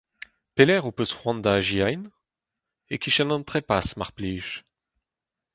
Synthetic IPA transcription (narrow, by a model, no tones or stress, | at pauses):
pelɛʁũpøsə̥ʁwɑ̃d̪aʒiajn | ekʲiʃɛnɑ̃t̪χɛpasmaʁpliʃ